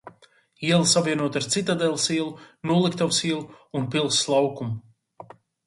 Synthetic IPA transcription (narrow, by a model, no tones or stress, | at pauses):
iɛlˠsapvʲiɛnuɔt̪aɾt̪sit̪ad̪ɛlˠsiɛlˠunuɔlˠikt̪awsiɛlˠuunpilˠsːlˠawkum